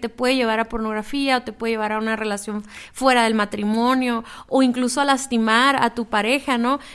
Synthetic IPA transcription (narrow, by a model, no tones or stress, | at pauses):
t̪e̞pweðeʝe̞β̞aɾapo̞ɾno̞ɣɾafiaot̪e̞pweeʝeβaɾaunare̞lasjo̞ɱfwe̞ɾaðe̞lmat̪ɾimo̞njo̞oiŋkluso̞alast̪imaɾa̰t̪upaɾe̞xano̞